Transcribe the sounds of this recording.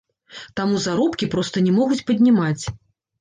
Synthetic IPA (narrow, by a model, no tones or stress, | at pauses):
t̪amuzaɾɔpkʲipɾɔst̪ɐnʲɛmɔɣut͡sʲpɐd̪ʲnʲimat͡sʲ